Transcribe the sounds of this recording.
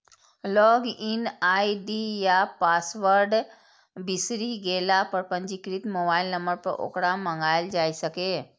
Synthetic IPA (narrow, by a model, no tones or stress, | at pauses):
lɔːɡinaiɖijapasʋəɾɖ | bisɾiɡelapəɾpə̃ɲd͡ʒikɾit̪mobailnə̃mbəɾpəɾʔo̰kɽamə̃ŋɡajld͡ʒajsəke